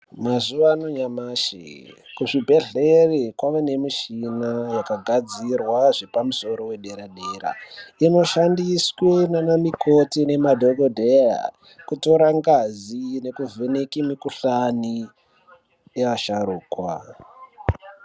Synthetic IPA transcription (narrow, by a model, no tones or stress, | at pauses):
mazuʋanoɲamaːʃḛkuʐibʱe̞ɮerekwaʋene̞miʃinajakaɡʱad͡zirwaʐepamuso̞ɾo̞we̞ɗe̞ɾaɗera̰ino̞ʃandiswenanamikʰo̞tine̞madʱoɡodʱeja̰ | kuto̞ɾaŋɡazine̞kuvʱenekimikuɬani | eʋaʃaɾuːkwa̰